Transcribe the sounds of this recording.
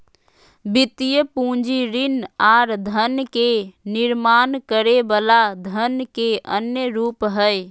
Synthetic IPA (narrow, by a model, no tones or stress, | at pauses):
bit̪ijəpũd͡ʒiɾinaɾd̪ʱənkeniɾmankəɾebəlad̪ʱənkeənjəɾupɦəj